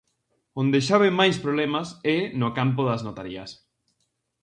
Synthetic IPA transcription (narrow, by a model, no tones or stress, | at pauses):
ond̪eʃaβemajspɾoβlɛmasɛnokampoðɐznot̪aɾiɐs